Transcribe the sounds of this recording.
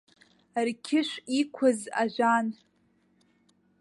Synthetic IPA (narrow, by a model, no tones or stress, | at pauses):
rkʲʰɪʃʷikʷʰʊza̰ʒʷan